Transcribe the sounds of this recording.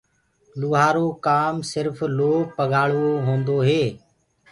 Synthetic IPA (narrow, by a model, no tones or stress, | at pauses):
luːɦaːɾoːkaːmsɪɾfloːpəɠaːɭʋoːɦõːnd̪oːɦeː